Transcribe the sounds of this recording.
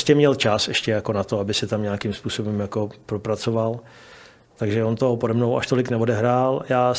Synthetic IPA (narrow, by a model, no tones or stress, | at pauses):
scɛmɲɛlt͡ʃasɛʃcɛjako̞nat̪o̞abɪsɛt̪amɲaːakimspuːso̞bɛmjako̞pɾopɾat͡so̞val | t̪aɡʒɛo̞nt̪oɦopodɛmnowʔa̰ʃt̪o̞lɪknɛvo̞dɛɦɾaːljaː